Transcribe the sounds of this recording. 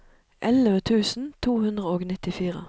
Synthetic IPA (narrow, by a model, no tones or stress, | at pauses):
ʔɛləʋət̪ʰʉːsn̩t̪ʰuːhʉnd̪ʁəoːɡnɪt̪ɪfiːʁə̰